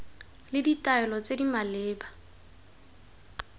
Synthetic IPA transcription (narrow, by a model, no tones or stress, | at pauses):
lɪditʼaɛlɔt͡sedimaleːba